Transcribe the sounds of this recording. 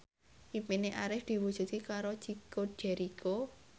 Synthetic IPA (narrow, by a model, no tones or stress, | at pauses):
ʔipineʔaɾɪfd̪̥i̤wud̥ʒ̥ṳt̪ikaɾod̥ʒ̥i̤koɖ̥ɛɾikʰo